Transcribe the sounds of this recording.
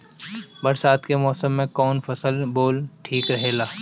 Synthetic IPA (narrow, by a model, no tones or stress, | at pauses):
bɐɾsaːt̪kemɔːsəmːẽkɔːnfɐsəlboːlʈʰiːkɾɐɦeːɡaː